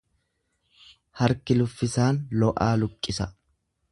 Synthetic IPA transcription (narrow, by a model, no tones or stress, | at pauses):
hɐɾkɪlʊfːɪsaːnlɔʔaːlʊkʼːɪsɐ